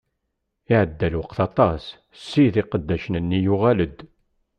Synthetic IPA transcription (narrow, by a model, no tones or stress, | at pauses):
iʕəd̪ːælwəqθɑt̪ˤɑs | sːiðɪqəd̪ːæʃənənːijuʁæləd̪